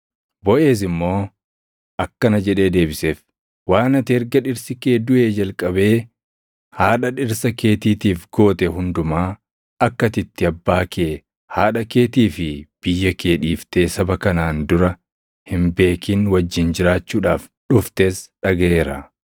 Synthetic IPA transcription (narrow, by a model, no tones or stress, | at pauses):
bɔʔe̞ːs̬ɪmːo̞ː | ʔɐkːɐnɐd͡ʒɛᶑe̞ːd̪e̞ːbɪseːf | waːnɐt̪eːɾɡɐᶑɪɾsɪke̞ːd̪ʊʔe̞ːd͡ʒɐlkʼɐbe̞ː | haːᶑɐᶑɪɾsɐke̞ːt̪iːt̪iːfɡo̞ːt̪ɛɦʊnd̪ʊmaː | ɐkːɐt̪ɪt̪ːɪɐbːaːkʰeː | haːᶑɐke̞ːt̪iːfɪb̥ɪjːɐke̞ːᶑiːft̪e̞ːsɐbɐkɐnaːnd̪ʊɾɐ | hɪmbe̞ːkʰiːnwɐd͡ʒːɪnd͡ʒɪɾaːt͡ʃːuːᶑaːfᶑʊft̪eːsᶑɐɡeːɾɐ